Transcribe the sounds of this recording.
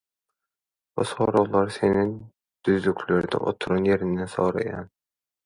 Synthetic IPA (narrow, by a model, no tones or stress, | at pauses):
b̥usoːɾowlˠɑɾseni | d̪̥yzlykʰʲlʲøɾd̪ɛ̰ʔo̰t̪ʰuɾonje̞ɾind̪enso̰ːɾɑ̰jɑ̰n